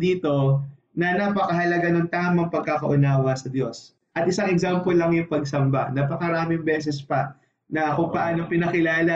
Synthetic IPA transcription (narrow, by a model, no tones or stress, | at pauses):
d̪iːt̪o̞ | nɐnapɐkɐɦɐlɐɡanoŋt̪aːmɐŋpɐɡ̚kakɐʔʊnaːwɐsɐd̪jo̞s | ʔɐt̪ʔɪsaŋɛɡzampolɐŋjʊŋpɐɡ̚sɐmba̰naːpɐkɐɾaːmɪŋbɛːs̬ɛspɐ | nɐkʊŋpɐʔaːno̞pɪnɐkɪlaːlɐ